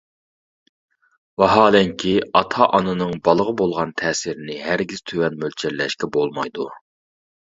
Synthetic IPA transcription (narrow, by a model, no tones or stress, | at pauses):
wɑɦɑːlɛŋkʲʰiɑt̪ʰɑʔɑnɨnɨŋbɑlˠəʁəbolˠʁɑnt̪ʰɛːsiɾɪnɪɦæɾɡʲiz̥t̪ʰøwɛnmølʲt͡ʃʰɛllːɛʃkʲɛbolˠmɑjd̪u